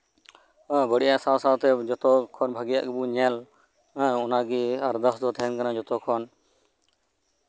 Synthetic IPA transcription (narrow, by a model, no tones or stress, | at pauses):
bəɽiʔaʔsasat̪ɛd͡ʒɔt̪ɔkʰɔnbʱaɡija̰ʔɡɛbuɲɛl | ɔnaɡiaɾd̪əsd̪ɔt̪ʰɛɦɛnkanad͡ʒɔt̪ɔkʰɔn